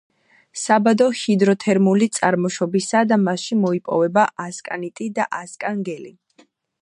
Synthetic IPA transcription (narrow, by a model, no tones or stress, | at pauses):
sabad̪ɔhid̪ɾɔt̪ʰɛɾmulit̪sʼa̰ɾmɔʃɔbisad̪amaʃimɔipʼɔ̰vɛbaʔaskʼa̰nit̪ʼid̪aʔaskʼaŋɡɛli